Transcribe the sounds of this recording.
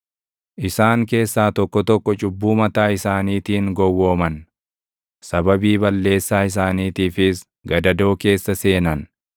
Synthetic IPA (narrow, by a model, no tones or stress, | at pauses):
ʔɪsaːŋke̞ːsːaːt̪ɔkːɔt̪ɔkːɔt͡ʃʼʊbːuːmɐt̪aːɪsaːniːt̪iːŋɡɔwːo̞ːmɐn | sɐbɐbiːbɐlːe̞ːsːaːɪs̬aːniːt̪iːfɪs | ɡɐd̪ɐd̪o̞ːke̞ːsːɐse̞ːnɐn